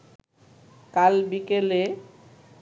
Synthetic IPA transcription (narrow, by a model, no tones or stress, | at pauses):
kalbikele